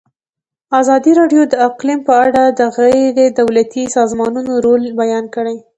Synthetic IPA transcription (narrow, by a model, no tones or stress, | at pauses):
azɑd̪iɾɑɖjod̪əaqlimpəaɽad̪əɣəjɾed̪awlat̪isɑzmɑnunoɾolbajɑnkəɽaj